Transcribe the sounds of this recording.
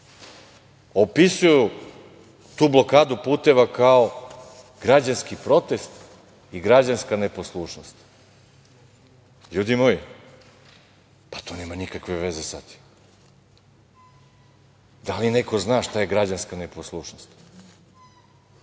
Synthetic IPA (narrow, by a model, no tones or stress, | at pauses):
o̞pisuju | t̪uːblˠo̞kaːd̪upuːt̪e̞ʋakao | ɡ̥ɾad͡ʑanskipɾo̞t̪e̞st̪ | iɡɾad͡ʑanskane̞po̞slˠuːʃnost̪ | ʎuːd̪imoji | pḁt̪oneːmanikakʋe̞ʋezesa̰t̪i̥m | d̪alinekoznaːʃt̪ajeɡɾad͡ʑanskaneposlˠuʃnost̪